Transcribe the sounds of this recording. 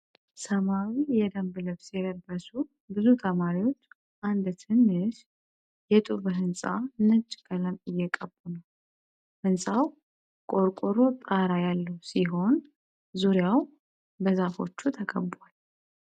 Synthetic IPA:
səmawijɛd̪əmblɨβsjɛd̪əɾbəsu | bɨzut̪ʰəmaɾiwo̞t͡ʃː | ʔand̪t̪ʰɨnːɨʃ | jɛt̪ʼuβɨɦɨnsʼa̰nɨt͡ʃʼːɡʼələmɪjːɛkʼəbːunəw | hɨnsʼaw | kʼo̞ɾkʼoɾo̞t̪ʼaɾajalːəhusiɦo̞n | zuɾjaw | bəzafo̞t͡ʃːut̪ʰəkʼə̰bːal

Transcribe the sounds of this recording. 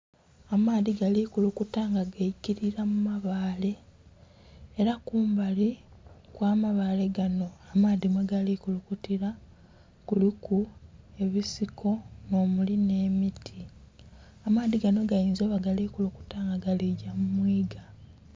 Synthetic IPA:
amaːðiɡalikulukutaːŋɡaɡajiciɾiɾamumaβaːle̞ | ɾakuːmbalikwaːmaβaːle̞ɡano̞amaːðimweɡalikulukutiɾa | kulikue̞βisiko̞no̞ːmuline̞ːmitʰi | amaːðiɡano̞ɡajiːnzoːβaɡalikuluku̥taːŋɡaɡaliɟamumwiːɡa

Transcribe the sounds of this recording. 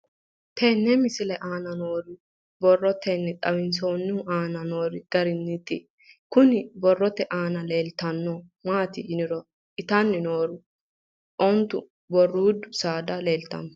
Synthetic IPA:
t̪ʰɛnːɛmɪsɪlɛʔaːnɐnoːɾʊ | bɔrːɔt̪ʰːɛnːɛt̪ʼɐwɪns̬oːnːɪʊaːnɐno̞ːɾɪɡ̥ɐɾɪnːɪt̪ːɪ̰ | kʊnɪbɔrːɔt̪ːɛʔaːnɐle̞ːlt̪ɐnːɔ | maːt̪ɪɪnɪɾɔ | ʔɪt̪ɐnːɪnoːɾʊ | ʔɔnt̪ʊ̰ | bɔrːuːd̪ʊsaːd̪ɐle̞ːlt̪ɐ̰m

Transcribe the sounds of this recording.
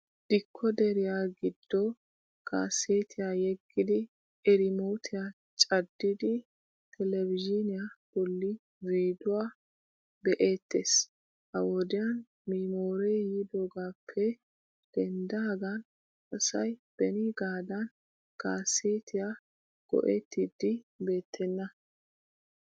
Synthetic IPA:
d̪̥ɪkʰːɔd̪ɛɾɪjaɡɪd̪̥ːɔ | ka̰ːseːt̪ʰɪjajɛɡːɪd̪ɪ | ɛɾɪmoːt̪ʰɪja | t͡ʃʼɐd̪ːɪd̪ɪ | t̪ʰɛlɛvɪd͡ʒɪnɪjab̥ɔlːi | wiːd̪ʊwaː | bɛʔeːt̪ːeːs | hɐwɔd̪ɪjɐn | miːmoːɾɛjjiːd̪oːɡaːpʰːɛ | d̪̥ɛnd̪ɐɡɐn | ɐsɐjb̥ɛnɪɡaːd̪ɐn | kaːseːt̪ʰɪja | ɡ̥ɔ̰ʔɛt̪ːɪd̪ɪbe̞ːt̪ːɛnːɐ

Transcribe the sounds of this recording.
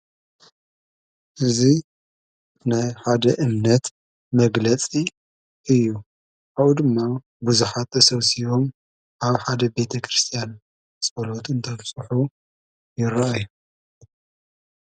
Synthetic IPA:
ʔɨzi | najħad̪ɐʔɨmnɐt̪ | mɐɡlɐt͡sʼi | ʔɨjːu | aβud̪ɨmːa | buzuħat̪ɐsɐβsiβo̞m | ʔaβħad̪ɐbe̞t̪ʰɐkɾɨst̪ʰijan | sʼɐlot̪ɨnt̪ʰɐβsʼuħu | jɪɾaaju

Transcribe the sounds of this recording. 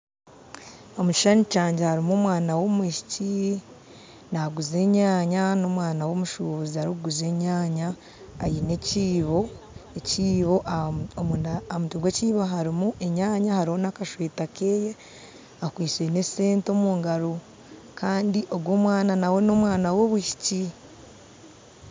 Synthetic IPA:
o̞muci̥ʃanicaːɲɟehaɾimoːmwaːnawo̞mwiːʃi̥ci | naɡuzeɲaːɲano̞mwaːnawo̞ːmuʃuːβuzihaɾiɡuze̞ɲaːɲaː | jine̞ciːβo̞ | eciːβoʔoumutiɡweciːβoɦaɾimuʔe̞ɲaːɲahaɾihonakaʃweːtakeːje | akwiːt͡ʃene̞se̞ːnto̞muːŋɡaɾo | kʰaːndiʔo̞ɡwoːmwaːnanawe̞no̞mwaːnawo̞βwiʃi̥ci

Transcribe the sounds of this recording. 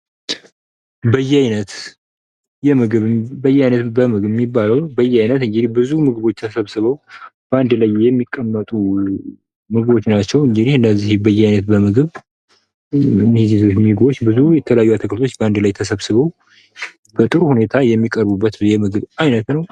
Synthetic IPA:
bəjːɛajnət̪ | jɛmɨɡɨβbəjɛajnət̪bəmɨɡmːibːaləwbəjːɛajnət̪ɨŋɡɨd̪ihbɨzumɨɡɨβo̞t͡ʃːt̪ʰəsəβsɨβəwb̥əand̪lajːɛmːikʼːəmːət̪ʼu | mɨɡɨβo̞t͡ʃːnat͡ʃːɛwɨŋɡɨd̪ihɨnːəzːihbəjːɛajnət̪̚bəmɨɡɨβ | mhzizot͡ʃːmiɡbo̞t͡ʃːbɨzujɛt̪ʰələjajːuat̪ʰəkʰəlt̪ʰo̞t͡ʃːbəand̪lajt̪ʰəsəβsɨβəw | b̥ət̪ʼɨɾuhune̞t̪ʰajɛmːikʼəɾbubːət̪jɛmɨɡɨβajnət̪nəw

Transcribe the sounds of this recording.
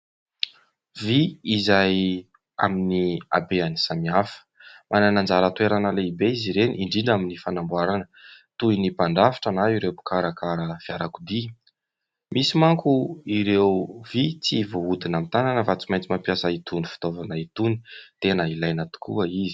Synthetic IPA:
viizaj | a̰minia̰beanisamiafə̥mʔananand͡zaɾət̪ueɾanəleibeiziɾeniʔiɳɖ͡ʐiɳɖ͡ʐaminifanambwaɾanət̪uinipaɳɖ͡ʐafi̥ʈ͡ʂanaiɾewbu̥kaɾakaɾəfiaɾakud̪i | misimaŋkuiɾewvit͡sivoud̪inamit̪ananəfat͡si̥majnt͡simampiasəit̪unifi̥t̪ovanəit̪uni̥t̪enəilajnat̪u̥kʰṵəizi̥

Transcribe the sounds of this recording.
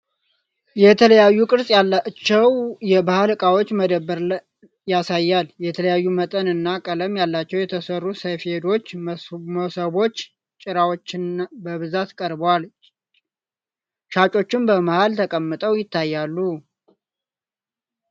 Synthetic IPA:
jɛt̪ʰələjajːukʼɨɾsʼjalːat͡ʃːɛwjɛbahalkʼawot͡ʃːməd̪əbːəɾ | jasajːaljɛt̪ʰələjajːumət̪ʼənɨnːakʼələmjalːat͡ʃːɛwjɛt̪ʰəsərːusəjfed̪o̞t͡ʃːməsəβo̞t͡ʃː | t͡ʃʼɪɾawot͡ʃːɪnbəβɨzat̪kʼəɾbwal | t͡ʃʰat͡ʃʼo̞t͡ʃːɪmbəmahalt̪ʰəkʼəmːɨt̪ʼəwjɪt̪ːajːalːu

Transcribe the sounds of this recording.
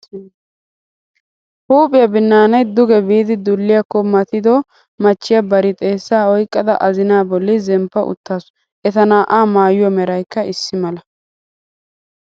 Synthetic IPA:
huːpʼɪjɐbɪnːaːnɐjd̪ʊɡɛbiːd̪ɪd̪ʊlːɪjɐkːɔmɐt̪ɪd̪ɔ | mɐt͡ʃːɪjɐbɐɾɪt̪ʼe̞ːsːaːɔjkʼːɐd̪ɐ̰ʔɐzɪnaːbɔlːɪzɛmpːɐʔʊ̰t̪ːaːs | ʔɛt̪ɐnaːʔaːmaːjʊwɔmɛɾɐjkːɐɪsːɪmɐlɐ

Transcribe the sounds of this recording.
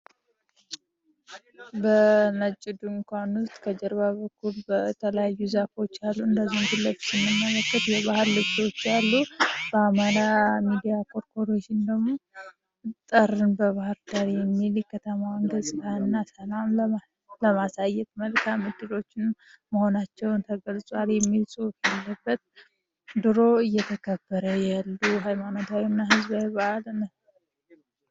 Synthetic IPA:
bənət͡ʃʼːɪd̪uŋkʰʷanʊst̪ʼkʰəd͡ʒɛɾbaβəkʰːulbət̪ʰələjajːuzafo̞t͡ʃːalːuɨnd̪əzːihmɡɨlːət̪sɨmːɨmːələkːət̪jɛβahɨɾlɨbt̪o̞t͡ʃːjalːub̥əamaɾamid̪ijakʰoɾkʰoɾot͡ʃːɪnd̪əɡmo̞ | t̪ʼərːɨnbəβahɨɾd̪aɾijɛmːilkʰət̪ʰəmaŋɡəsʼɨɡaɨnːasəlam | ləmasajːɛt̪məlkʰamɨd̪ːɨlo̞t͡ʃːɪnməho̞nat͡ʃːɛwnt̪ʰəɡəlsʼwaljɛmːilsʼɨwkjalːəbːət̪̚ | d̪ɨɾo̞ɨjːɛt̪ʰəkʰəbːəɾəjalːuɦajmanot̪ʰawinːaɦɨzbawβaaln

